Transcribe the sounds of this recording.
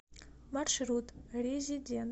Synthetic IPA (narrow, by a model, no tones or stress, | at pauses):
marʂrutʼrʲezʲidʲen